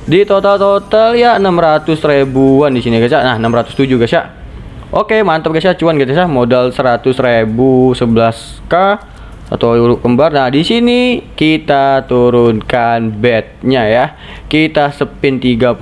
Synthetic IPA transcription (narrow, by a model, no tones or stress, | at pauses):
dit̪ot̪alt̪ot̪aljaənəmrat̪ʊsrebuandisiniɡasaʔnahənəmrat̪ʊ̥st̪ud͡ʒuɡasaʔ | ʔokemant̪əp̚ɡasaʔt͡ʃuanɡit̪asamodalsəɾat̪ʊsrebusəbəlas | ka | a̰t̪awuɾʊʔ̚ɡəmbarnahdisinikit̪at̪uɾʊnkanbɛt̪̚ɲaja | kit̪asəpɪnt̪iɡa